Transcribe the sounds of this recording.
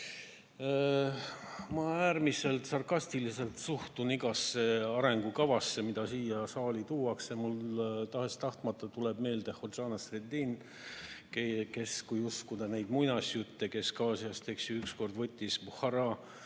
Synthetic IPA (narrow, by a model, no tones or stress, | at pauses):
mɑæːrmise̞lt̪sɑrkɑst̪ilise̞lt̪suht̪uniɡ̥ɑsːe̞ɑɾe̞ŋɡ̥ukɑvɑsːe̞mid̪̥ɑsiːjɑsɑːlit̪uːɑksɑmult̪ɑɦe̞st̪ɑht̪mɑt̪ːˑɑt̪ulebme̞ːld̪̥ehod̪ʒ̥ɑːnɑsred̪iːn | keke̞skujuskud̪̥ɑnejd̪mujnɑsʲjut̪ːe̞ke̞skɑːsiɑst̪e̞ksiyksko̞rd̪vɤt̪ʲːisbuhɑɾɑ